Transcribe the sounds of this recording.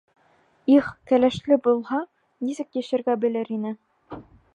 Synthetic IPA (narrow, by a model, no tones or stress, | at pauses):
iχkælæʃlɘbulˠhɑ | nisɘkjæ̆ʃɘ̆ɾɡæbɘ̆lɘɾinɘ